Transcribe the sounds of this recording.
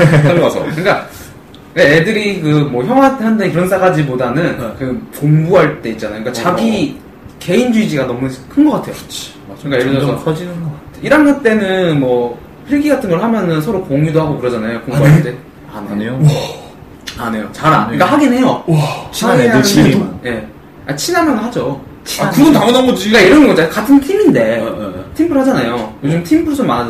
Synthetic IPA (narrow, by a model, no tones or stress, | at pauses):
asʰʌɯk͈a | eedɯɾikɯmwʌçjʌŋwahʌndakɯɾʌnsʰaɡad͡ʑibodanɯnkɯpoŋbuɦaɭt͈e̞it̚t͡ɕ͈anajokikat͡ɕaɡi | ke̞ind͡ʑuid͡ʑiɡanʌmukʰɯnɡʌk͈atʰe̞jot͡ɕ | kaiɾʌsʰʌsʰʌd͡ʑinɯnɡʌkatʰeiɾanɡat͈e̞nɯnmwʌ | pʰiɭɡiɡatʰɯnɡʌɭhamjʌnɯnsʰʌɾokoŋjudoɦaɡokɯɾʌd͡ʑanajokoŋɡade | a̰nneo | anejot͡ɕaɾa̰nikahaɡine̞jot͡ɕʰiaaɡeɯje̞ | at͡ɕʰinamʌnɯɦad͡ʑo | t͡ɕʰiakɯɡʌntaŋʌnanɡʌd͡ʑiiɡaiɾʌnɡʌd͡ʑakatʰɯntʰiminde̞tʰimbʰɯɭhad͡ʑanajojod͡ʑimtʰimbʰɯɭsʰoman